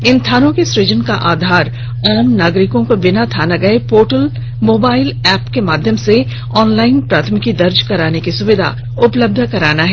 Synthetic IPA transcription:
ɪ̃nt̪ʰaːnõkesɾɪd͡ʒənkaʔaːd̪ʱaːɾ | ɔːmnaːɡɾɪkõkobɪnat̪ʰaːnaɡɐepoːʈəl | moːbaːɪlɛːpkemaːd̪ʱjəmse | ɔːnlaːɪnpɾaːt̪ʰəmɪkid̪ɐɾd͡ʒkɐɾaːnekisʊʋɪd̪ʱa̰ | ʊpləb̚d̪ʱkɐɾaːnaɦɛː

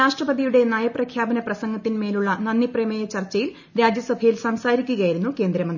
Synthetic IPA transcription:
aːʂʈrɐpɐðijuɽe̞naːjɐprɐkʰjaːbɐnɐprɐsɐŋɡɐt̪ːinme̞ːluɭːɐnɐnːipremɐjɐt͡ɕɐrt͡ɕːɐjil | ɾaːd͡ʑjɐsɐbʱɐjilsɐmsaːɾikʲːuɣɐjiɾunːuke̞ːnd̪ɾɐmɐnd̪

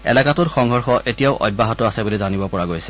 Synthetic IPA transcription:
ɛ̰lakatʊtxɔŋɦɔɹxɔʔetijaʊʔɔ̰j̚bːaɦɔtɔasɛbolizanibɔpɔɹaɡojsɛ̥

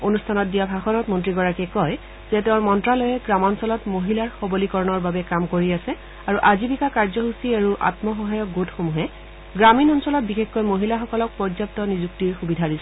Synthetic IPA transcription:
onustʰanɔt̚dijabʱaxɔnɔtmɔntɹiɡɔɹakɛkɔj | z̥ɛtɛʊ̃ɹmɔntɹalɔjɛɡɹamɔnsɔlɔtmoɦilaɹxɔbolikɔɹɔnɔɹbabɛkamkoɹiasɛ | aɹuʔazibʱikakaɹzɔɦusiaɹuʔa̰tmɔxɔɦajɔk̚ɡotxomuɦɛ | ɡɹaminɔnsɔlɔt̚bixexkɔjmoɦilaxɔkɔlɔk̚pɔɹzap̚tɔnizuk̚tiɹxubidʱaɹisɛ

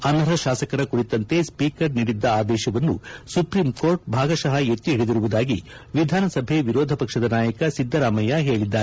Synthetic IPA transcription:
ɐnɐɾɐʃaːsɐkɐɾɐkuɽit̪ɐnt̪e̞spiːkɐɾniːɽid̪ːɐaːd̪ɛːʃɐʋɐnːusupɾiːmkoːɾʈ̚bʱaːɡɐʃɐɦɐet̪ːiɦiɽed̪iɾuʋud̪aːɡi | ʋid̪ʱaːnɐsɐbʱeʋiɾɔːd̪ʱɐpɐkʂɐd̪ɐnaːjɐkɐsid̪ʱːɐɾaːmɐjɐɦe̞ːɭid̪ːaːe

